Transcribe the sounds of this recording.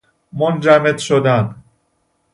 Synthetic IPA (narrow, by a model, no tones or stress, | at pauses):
mond͡ʒæmed̪ʃod̪æn